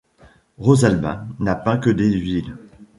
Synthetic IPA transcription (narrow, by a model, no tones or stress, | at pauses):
ʁozalbã̰napɛ̃kəd̪evil